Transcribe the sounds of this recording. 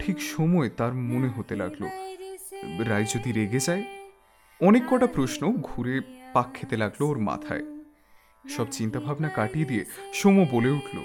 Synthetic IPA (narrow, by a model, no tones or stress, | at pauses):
ʈʰikʃomɔet̪aɾmoneɦot̪ela̰ɡlo̰ | ɾajd͡ʑod̪iɾeɡed͡ʑae | ɔnekːɔʈapɾoʃnoɡʱuɾepakʰːet̪elaɡlooɾma̰t̪ʰa̰e | ʃɔbt͡ɕint̪abʱabnakaʈied̪ieʃomɔeboleuʈʰlo̰